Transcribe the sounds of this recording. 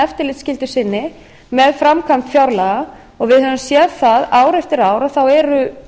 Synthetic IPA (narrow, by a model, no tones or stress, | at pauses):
ɛft̪ɪɾlɪt̪scɪlt̪ʏ̥sɪnːɪ | mɛðfɾamkʰampfjawɾlaɣa | ɔɣvɪðhaðsjɛðθaðaːwɾɛft̪ɪɾaːwɾaθawɛɾʏ